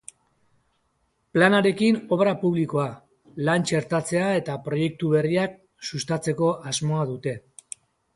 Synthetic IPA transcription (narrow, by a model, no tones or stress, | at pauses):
planaɾe̞kino̞βɾapuβ̞liko̞a | lant͡ʃe̞ɾt̪at͡se̞ae̞t̪apɾo̞je̞k̚t̪uβe̞riak̚ | sust̪at͡se̞ko̞ʔazmo̞aðut̪e̞